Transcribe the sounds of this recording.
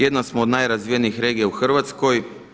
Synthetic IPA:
jed̪nasmoːd̪najɾazʋijeniixɾe̞ːɡijauxr̩ʋat̪sko̞j

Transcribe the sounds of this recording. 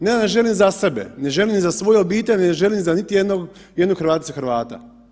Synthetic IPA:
neneʒe̞limzasebḛne̞ʒe̞limnizasʋo̞jeobiːt̪elʲeneʒe̞limzanit̪ijed̪noɡ | jed̪noɡxɾʋaːt̪suxɾʋaːt̪a̰

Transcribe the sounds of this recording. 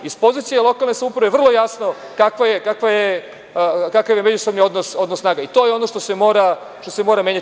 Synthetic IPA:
ispo̞zit̪sijelˠo̞kalˠnesamupɾaʋevr̩lˠo̞jasno̞ | kakʋajekakʋaje | kakaʋjemed͡ʑusobnio̞d̪noso̞d̪nosnaːɡait̪o̞jeo̞no̞ʂt̪ose̞mo̞ːɾa | ʃt̪o̞semo̞ːɾameɲa

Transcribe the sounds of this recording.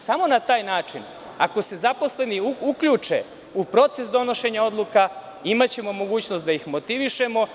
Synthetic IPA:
samo̞nat̪aːjnaːt͡ʂin | ako̞se̞zapo̞sle̞niuukʎuːt͡ʂḛ | upɾo̞t̪se̞sd̪o̞no̞ʃe̞ɲao̞d̪lˠuka | imat͡ɕe̞mo̞mo̞ɡuːt͡ɕnost̪d̪ajixmo̞t̪iʋiʃe̞mo̞

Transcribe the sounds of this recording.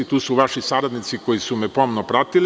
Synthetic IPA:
it̪uːsuʋaʃisaɾad̪nit̪siko̞jisumɛpo̞mnopɾat̪il

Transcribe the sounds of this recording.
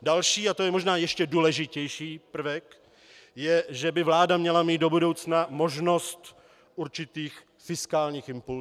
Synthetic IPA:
dalʃiːat̪ojɛmo̞ʒnaːjɛʃcɛduːlɛʒɪcɛjʃiːpr̩vɛk | jɛʒɛbɪvlaːdamɲɛlamiːt̪do̞budo̞wt͡snamo̞ʒno̞st̪ | ʔuɾt͡ʃɪt̪iːx | fɪskaːlɲiːxɪmpu

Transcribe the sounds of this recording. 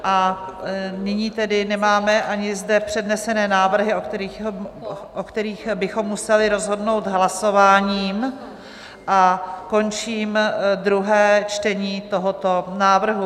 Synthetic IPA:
ʔa | nɪɲiːt̪ɛdɪnɛmaːmɛʔaɲɪzdɛpr̝̥ɛdnɛsɛnɛːnaːvr̩ɦɪokt̪ɛɾi | ʔokt̪ɛɾiːxbɪxo̞mːusɛlɪɾozɦo̞dno̞wt̪ɦlaso̞vaːɲiːm | ʔako̞nt͡ʃiːmd̪ɾuɦɛːt͡ʃt̪ɛɲiːt̪o̞ɦot̪o̞naːvr̩ɦu

